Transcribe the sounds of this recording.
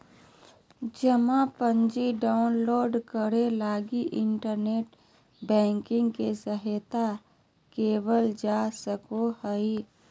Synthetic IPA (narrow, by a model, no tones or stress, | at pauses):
d͡ʒəmapə̃ɲd͡ʒiɖaːʊnloːɖkəɾelaːɡiʔɪɳʈəɾneːʈ | bɛ̃ːŋkɪ̃ŋɡkesəɦet̪a | keːwəld͡ʒaːsəkohəi